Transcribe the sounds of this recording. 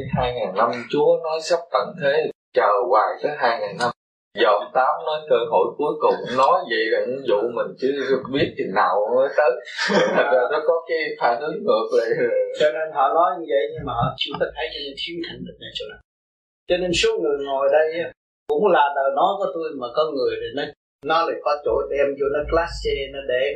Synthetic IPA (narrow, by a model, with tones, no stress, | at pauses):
haː˧jŋaː˨˩ŋna˧mt͡ɕu˨˦ənɔ˨˦jsa˦˥p̚t̪ə̰˧˨nt̪ʰe˨˦t͡ɕəː˨˩waː˨˩jt̪əː˨˦jɦaː˧jŋaː˨˩ŋna˧m | zə˨˩ŋ͡mt̪aː˨˦mnə˨˦jkəː˧ɦo̰˧˩˨jku˨˦əjkʊ˨˩ŋ͡mnɔ˨˦jvə̰˧˨jlaː˨˩ɲɨ̰˨˧˥ŋzṵ˧˨mï˨˩ŋ̟t͡ɕɨ˨˦˨ɓi˦˥ət̚t̪ʰi˨˩naː˨˩wnə˨˦jt̪əː˨˦t̪ʰa˨˩zaː˨˩nɔ˨˦kɔ˨˦kaː˨˦jfaː˧˩nʔɨ˨˦ŋŋɨ˨˩ək̚lə̰˧˨˩t͡ɕɔ˧ne˧nɦɔ̰˧˨nɔ˨˦jɲɨ˧və̰˧˨jɲɨ˧maː˨˩˨t͡ɕʊ˨˦ŋ͡mt̪aː˧t̪ʰə˨˦jt͡ɕɔ˧ne˧nt̪ʰi˨˦ət̪ʰa˨˩ŋlə˨˩na˨˩jt͡ɕo˧˦na˨˩ | t͡ɕɔ˧ne˧nsu˦ək̚ŋɨ˨˩əŋo˨˩jɗə˧jʔa˨˦ | kʊ̰˧˥ŋ͡mlaː˨˩t̪əː˨˩nɔ˨˦jvɔ˨˦t̪o˧jmaː˨˩kɔ˨˦ŋɨ˨˩əjt̪ʰi˨˩nɔ˨˦ | nɔ˨˦laː˨˩jkɔ˨˦t͡ɕo̰˧˩˨ɗɛ˧mzṵ˧˩nɔ˨˦klaː˦˥sɛ˧nɔ˨˦ɗe˧˩